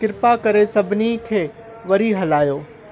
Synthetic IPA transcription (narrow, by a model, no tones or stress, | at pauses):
kɪɾpakɐɾesɐbʱɪnikʰeː | ʋɐɾiɦɐlaːjoː